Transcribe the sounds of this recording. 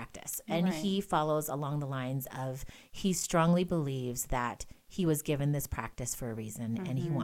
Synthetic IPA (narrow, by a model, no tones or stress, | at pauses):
æk̚tɨ̰sɨ̃nifɑlˠoʊzə̰lɔ̃ŋðəlãɪ̃nzʌv̥istɹ̥ɔ̃ŋlibəlivzðɨt̚hiwʌzɡɪvɨ̃nðɪspʰɹ̥æ̰k̚tɨsfə˞ɨɹḭzɨ̃nɨ̃niwɑ̃